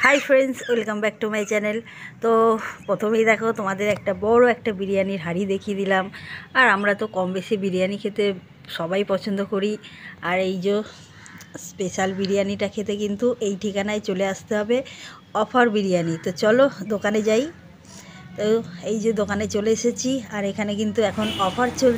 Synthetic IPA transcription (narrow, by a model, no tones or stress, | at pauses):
hajfʰɾensilkambɛk̚ʈumajt͡ɕɛnel | t̪opɾot̪ʰomejd̪ɛkʰot̪omad̪eɾɛk̚ʈabɔɾoɛkʈabiɾijaniɾɦaɾid̪ekʰied̪ilamaɾamɾat̪okɔmbeʃebiɾijanikʰet̪e | ʃɔbajpɔt͡ɕʰond̪okoɾiaɾejd͡ʑo | speʃalbiɾijaniʈakʰet̪ekint̪uʔejʈʰikanaet͡ɕoleaʃt̪eɦɔbe | ɔfaɾbiɾijanit̪ot͡ɕɔlod̪okaned͡ʑaj | t̪oejd͡ʑod̪okanet͡ɕoleeʃet͡ɕʰiaɾekʰanek̬int̪uɛkʰonɔpʰaɾt͡ɕol